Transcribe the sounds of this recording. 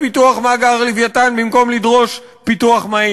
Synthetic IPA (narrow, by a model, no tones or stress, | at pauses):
pit̪uaχmaɡaʁlivjat̪anbimkomlid̪ʁoʃ | pit̪uaχmai